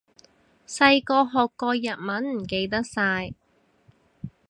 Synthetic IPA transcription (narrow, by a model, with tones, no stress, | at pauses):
sɐ˧jkɔː˧ɦɔː˨kːɔː˧jɐ˨t̚mɐ˨˥nm̩˨˩ke˧jt̪̬ɐ˥k̚saː˧j